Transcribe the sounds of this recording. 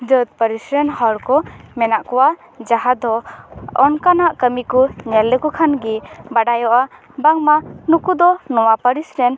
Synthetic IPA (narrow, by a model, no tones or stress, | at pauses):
d͡ʒət̪̚pəɾisɾɛnhɔɾkɔmɛnaʔkɔwa | d͡ʒaɦad̪ɔɔnkanaʔkəmikɔɲɛlːɛkɔkʰanɡibaɖajɔʔa | baŋmanukud̪ɔnɔwapəɾisɾɛn